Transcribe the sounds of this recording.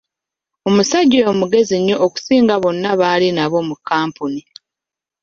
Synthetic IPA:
o̞musaɟːojomuɡe̞ziɲːo̞ʔoːku̥siːŋɡaβo̞nːaβaːlinaβo̞mukːaːmpuni

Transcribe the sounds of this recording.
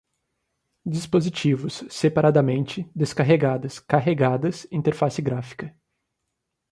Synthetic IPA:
d͡ʒispozit͡ʃivʊsːepaɾad̪ɐmẽnt͡ʃɪd̪eskaɦeɡad̪ɐskaɦeɡad̪ɐsĩt̪eɾfasɪɡɾafi̥kɐ

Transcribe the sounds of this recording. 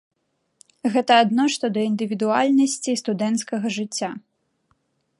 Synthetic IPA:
ɣɛt̪ɐːd̪nɔʂt̪ɔd̪ɐind̪ɨvʲid̪ua̰lʲnɐsʲt͡sʲist̪ud̪ɛnt̪skɐɣɐʐɨt͡sʲːa

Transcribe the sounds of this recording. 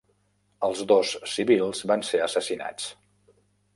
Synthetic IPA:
əlˠzðosːiβilˠzβanseəsəsina̰t͡s

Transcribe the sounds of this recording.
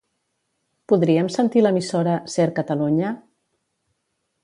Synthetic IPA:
puðɾiəmsənt̪iləmisoɾəseɾkət̪əluɲə

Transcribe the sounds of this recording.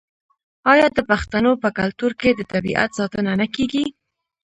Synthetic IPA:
ɑjɑd̪əpaxt̪anopəkalt̪uɾked̪ət̪abḭʔa̰t̪sɑt̪ənanakeɡi

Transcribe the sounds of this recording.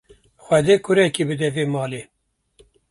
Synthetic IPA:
xʷɛd̪eːkʊɾɛkibɨd̪ɛveːmɑːleː

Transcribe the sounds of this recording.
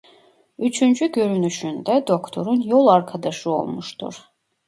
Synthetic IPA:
yt͡ʃʰynd͡ʒyɟø̞ɾynyʃynd̪ɛd̪okt̪ʰo̞ɾunjolˠaɾkʰad̪aʃɯo̞̰lˠmuʃt̪ʰṵɾ

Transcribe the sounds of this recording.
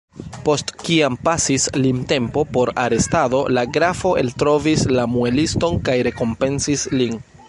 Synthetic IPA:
po̞stkiampasislimte̞mpo̞po̞ɾa̰ɾe̞stado̞laɡɾafo̞ʔe̞ltɾo̞vislamue̞listo̞nkajɾe̞ko̞mpe̞nsislin

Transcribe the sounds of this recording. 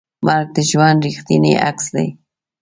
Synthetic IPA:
maɾk̚d̪ɪʒwanɾɪχt̪iniʔa̰ksd̪a̰j

